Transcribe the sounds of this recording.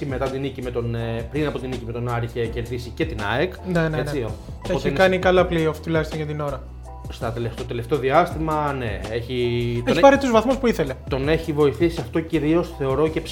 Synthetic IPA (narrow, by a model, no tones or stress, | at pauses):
imet̪ɐt̪inicimet̪o̞nepɾinɐpo̞t̪inicimet̪o̞nɐɾiçece̞ɾðisice̞t̪inɐ̰ekneneent͡seio | poç̪t̪inkɐnikɐlɐplioft̪ulɐçist̪oʝɐt̪ino̞ɾɐ | st̪ɐt̪eleft̪ot̪e̞le̞ft̪e̞o̞ðiɐst̪imɐnḛeçit̪eoçipɐɾit̪uzvɐθmuspuiθe̞le̞t̪o̞ne̞çivo̞iθisiɐft̪o̞ciɾio̞sθe̞o̞ɾo̞ce̞ps